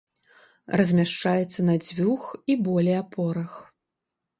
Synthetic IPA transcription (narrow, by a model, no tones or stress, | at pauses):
rɐzʲmʲaʂt͡ʂajɛt̪sːɐnad͡zʲvʲuxibɔlʲɛjapʰɔɾɐx